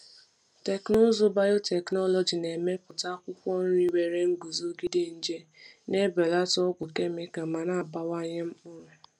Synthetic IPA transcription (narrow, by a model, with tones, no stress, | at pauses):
te˨knʊ˦zʊ˦ba˦jʊ˦te˨knɔ˦lɔ˨d͡ʒi˨ne˨me˦pʊ˨ta˦kʷʊ˦kʷɔ˦n̩˦ɾi˦we˨ɾe˦ŋ̩˦ɡu˨zo˦ɡi˦de˦n̩˦d͡ʒe˦ne˦be˨la˦tɔ˦ɡʷʊ˨ke˦mɪ˦ka˨ma˨na˦a˨ba˦wa˦ɲe˦m̩˦k͡pʊ˦ɾʊ˨